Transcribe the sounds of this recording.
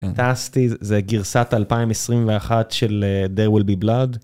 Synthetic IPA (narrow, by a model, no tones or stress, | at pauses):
tast̪izeɡiʁsat̪alpaimesʁimveaχatʃeled̪eʁwilbiblad̪